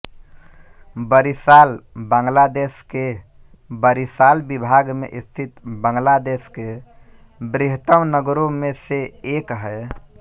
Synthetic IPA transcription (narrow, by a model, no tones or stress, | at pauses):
bəɾisalbãŋɡlad̪eske | bəɾisalbibʱaɡmḛʔist̪ʰit̪bə̃ŋɡlad̪eske | bɾiɦt̪əmnəɡɾõmẽseekɦɛ